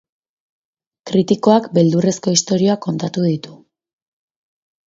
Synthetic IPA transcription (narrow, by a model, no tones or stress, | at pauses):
kɾit̪iko̞akbe̞ld̪ure̞sko̞ist̪o̞ɾio̞ako̞nt̪at̪uðit̪u̥